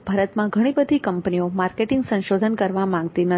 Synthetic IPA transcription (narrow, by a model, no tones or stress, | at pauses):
b̥ʱaɾət̪mãɡʱəɽ̃ibəd̪ʱikəmpniomaɾkeʈɪ̃ŋɡsə̃nʃod̪ʱənkəɾʋamãŋɡt̪inə